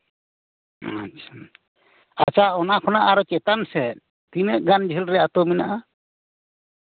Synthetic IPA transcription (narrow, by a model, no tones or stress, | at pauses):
a̰t͡ʃʰa | at͡ʃaɔnakʰɔnaʔaɾɔkɛt̪ansɛ | t̪inəʔɡand͡ʒʱɛlɾɛjat̪ɔmina̰ʔa